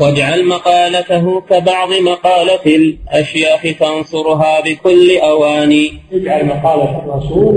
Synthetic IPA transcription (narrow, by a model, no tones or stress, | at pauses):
wad͡ʒʕalmɑqɑːlat̪aɦʊkabɑʕd̪ˤɨmɑqɑːlatɪlʔaʃjaːħɪt̪ansˤʊɾʊɦaːbɪkʊlːɪʔawaːniːt̪ɪd͡ʒʕalmɑqɑːlaɪrˤːɑsuːl